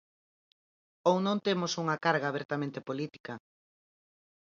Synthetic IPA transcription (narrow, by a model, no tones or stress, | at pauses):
ownõnt̪emosuŋɐkaɾɣaːβeɾt̪amẽnt̪epolit̪i̥kɐ